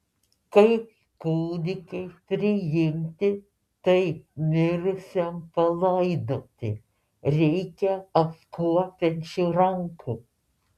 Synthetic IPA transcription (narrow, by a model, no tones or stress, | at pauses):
kɐɪp | kuːd̪ʲɪkɐɪpʲɾʲɪjɪmʲt̪ʲɪ | t̪ɐɪmʲɪɾʊsʲɛmpɐlˠɐɪd̪oːt̪ʲɪ | ɾʲɛɪkʲɛɐpkuɔpʲɛnʲt͡ʃʲɪɾɐŋkʊ